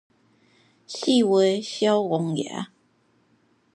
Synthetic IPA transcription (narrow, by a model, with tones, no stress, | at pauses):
ɕi˥˨we˧˥ɪɕjɑ˦ʊɔ˨˧˥ŋja̰˨˦